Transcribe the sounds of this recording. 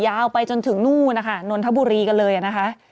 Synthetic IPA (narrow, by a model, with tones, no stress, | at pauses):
jaː˧wpa˧jt͡ɕo˧nt̪ʰɯ˨˩˦ŋnuː˥˩na˦˥kʰa˥˩no˧nt̪ʰa˦˥buː˧ɾiː˧ka˧nlɤː˧jʔa˨˩na˦˥kʰa˦˥ʔ